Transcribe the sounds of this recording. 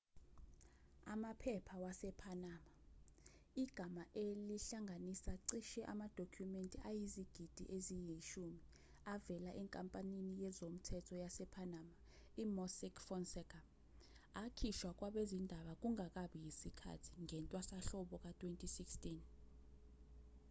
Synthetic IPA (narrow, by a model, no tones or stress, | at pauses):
a̰mapʰɛpʰawasɛpʰanaːma | iɡ̥ʱamaʔeliɬaŋʱanisaǀiʃɛʔamad̥ʱokʰjumentʼiʔajiziɡ̥ʱid̥ʱḭʔezijiʃumi | avɛlaʔɛŋkʼampʼaninijɛzom̩tʰɛtʰɔjasɛpʰanaːma | imɔsikʰfɔnsɛkʰʼa | akʰiʃwak̬ʼwaɓezindʱaɓak̬uŋak̬ʼaɓijisikʰa̰tʰi̥ŋɛntʼwasaɬɔɓɔk̬ʼatʰʼwentʼisikstʼin